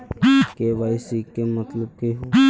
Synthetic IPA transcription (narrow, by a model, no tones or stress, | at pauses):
keʋaːɪsikːemət̪ləb̚keɦ